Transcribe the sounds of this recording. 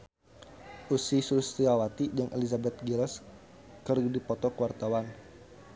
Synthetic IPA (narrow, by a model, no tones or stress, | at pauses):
ʔusisulst̪iawat̪id͡ʒaŋʔḛlizabɛt̪̚ɡilɛs | kərdipɔt̪ɔkəwart̪awan